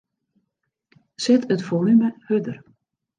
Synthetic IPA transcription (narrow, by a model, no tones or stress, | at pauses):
sɪtətfolyməhødər